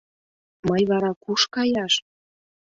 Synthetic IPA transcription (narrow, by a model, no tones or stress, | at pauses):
mɤjβɑɾɑkuʃkɑjɑʃ